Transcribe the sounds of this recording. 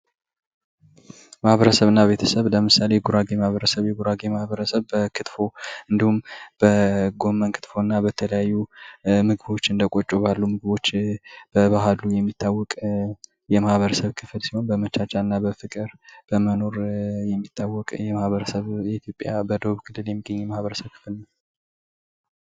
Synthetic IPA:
mahβəɾəsəβɨnːaβe̞t̪ʰəsəβləmɨsaleɡuɾaɡemahβəɾəsəβjɛɡuɾaɡemahβəɾəsəβbəkʰɨt̪fo̞ɨnd̪ihumb̥əɡo̞mːənkʰɨ̥t̪fo̞nːabət̪ʰələjajːumɨɡɨβo̞t͡ʃːɨnd̪əkʼot͡ʃʼoβalːumɨɡβo̞t͡ʃːb̥əβaɦalːujɛmːit̪ʰːawːɔkʼ | jɛmahβəɾəsəβkʰɨflsiho̞nbəmət͡ʃat͡ʃːanːabəfɨkʼɨɾb̥əməno̞ɾjɛmːit̪ʰːawːɔkʼjɛmahβəɾəsəβjɛit̪ʰjo̞pʼjabəd̪əβuβkʰɨlːɨljɛmːiɡːəɲːɛmahβəɾəsəβkʰɨ̥flnəw

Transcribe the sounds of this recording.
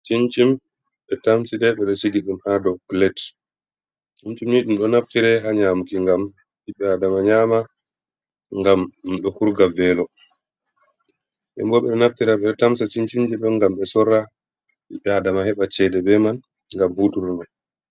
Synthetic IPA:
t͡ʃint͡ʃim | ɓɛtamsidɛɓɛɗɔsiɡiɗumhadɔklɛt | t͡ʃint͡ʃimniɗumɗɔnaftiɾɛɦaɲamukiŋɡam | ɓiɓɛadamaɲaːma | ŋɡamɗɔhuɾɡavɛlɔ | ɓɛ̰mbɔɓɛnaftiɾaɓɛtamsat͡ʃint͡ʃimd͡ʒɛɗɔŋɡamɓɛsɔɾːa | ɓiɓɛadamahɛɓat͡ʃɛdɛbɛman | ŋɡamhutuɾnan

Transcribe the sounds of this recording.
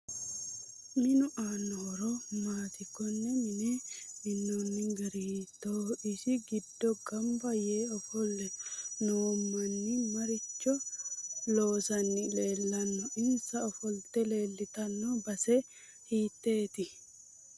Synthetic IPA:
mɪnʊʔaːnːɔɾɔmaːt̪ɪkɔnːɛmɪnɛmɪnːɔnːɪŋɡɐɾiːt̪ːoːɪʃɪɡɪd̪ːɔɡɐmbɐjeːɔfɔlːɛnɔmːɐnːɪmɐɾɪt͡ʃːɔ | loːsɐnːɪle̞ːlːɐnːɔɪnsɐɔfɔlt̪ɛle̞ːlːɪt̪ɐnːɔbɐsɛ | hiːt̪ːe̞ːt̪ɪ

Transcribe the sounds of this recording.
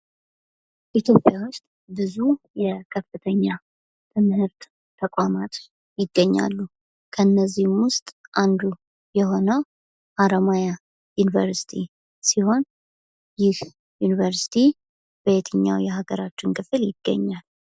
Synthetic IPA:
ʔit̪ʰjo̞pʼjawʊst̪ʼ | bɨzu | jɛkʰəfːɨt̪ʰəɲːa | t̪ʰɨmhɨɾt̪ | t̪ʰːəkʼamat̪ | jɪɡːəɲːa̰lːu | kʰəɨnːəzːihmwʊst̪ʼʔand̪u | jɛɦo̞nəw | ʔaɾəmaja | junivəɾsi̥t̪ʰḭ | siho̞n | jɪh | junivəɾsi̥t̪ʰi | b̥əet̪ʰɨɲːa̰wjɛɦaɡəɾat͡ʃːɪnkʰɨfɨljɪɡːə̰ɲːal

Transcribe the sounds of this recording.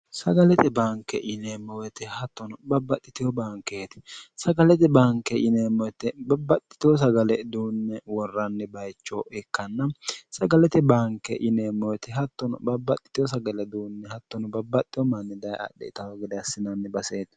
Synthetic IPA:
sɐɡɐlɛt̪ɛbaːŋkːɛʔɪneːmːɔwɛt̪ɛhɐt̪ːɔnʊbɐbːɐt̪ʼːɪt̪ɪjwɔbaːŋkːeːt̪ɛ̥sɐɡɐlɛt̪ɛbaːŋkːɛʔɪneːmːɔwɛt̪ːɛbɐbːɐt̪ʼːɪ̥t̪ɪwɔs̬ɐɡɐlɛd̪uːnːɛwɔrːɐnːɛbɐjt͡ʃːɔɛkːɐnːɐsɐɡɐlɛt̪ɛbaːŋkːɛʔɪneːmːɔwɛt̪ɛɦɐt̪ːɔnʊ̰bɐbːɐt̪ʼːɪ̥t̪ɪjɔs̬ɐɡɐlɛd̪uːnːɛhɐt̪ːɔnʊbɐbːɐt̪ʼːɪjɔmanːɪd̪ɐjɐ̰ɗːɛ̰ɪt̪ɐwɐɡɪd̪ɛɐsːɪnɐnːɛbɐseːt̪

